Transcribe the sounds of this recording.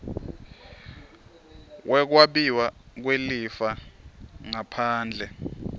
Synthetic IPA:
wʔɛk̬waɓiwak̬welifa | ŋapʰaːnd͡ɮʱɛ

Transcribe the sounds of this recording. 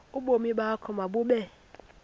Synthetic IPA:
ʊbomiɓakʰɔmabuɓe

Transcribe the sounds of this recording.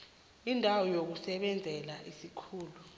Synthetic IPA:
indʱawɔjok̬usɛɓɛnd͡zʱɛlaʔisikʰuːlu

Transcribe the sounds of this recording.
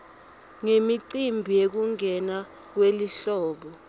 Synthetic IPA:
ŋemiǀimbʱijek̬uŋʱɛna | k̬weliɬɔːɓɔ

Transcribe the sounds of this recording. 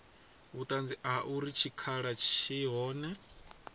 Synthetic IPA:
ut̪ʼand͡ziaʔuɾit͡ʃʰikʰaɺat͡ʃʰiɦɔːnɛ

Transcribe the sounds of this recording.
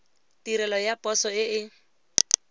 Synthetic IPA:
tiɾɛlɔjapʼɔsɔɪɪ

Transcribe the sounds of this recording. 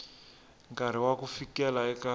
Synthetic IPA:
ŋkaɾ̤iwakufikɛlaɛka

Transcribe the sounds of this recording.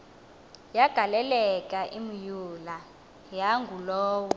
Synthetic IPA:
jaɡ̥ʱalɛlɛkʼaʔimujula | jaŋɡʱulɔːwɔ

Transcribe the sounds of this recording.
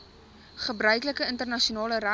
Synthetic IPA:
χəbrœɥkləkəəntərnɐʃiunɑːləræ

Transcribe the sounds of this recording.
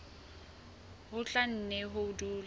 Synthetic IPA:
hʊt͡ɬʼan̩nɛɦʊʊduːl

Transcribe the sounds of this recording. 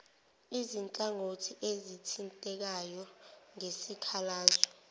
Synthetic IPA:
izint͡ɬʼaŋotʰiʔezitʰintʼɛk̬ajɔŋesikʰalaːzɔ

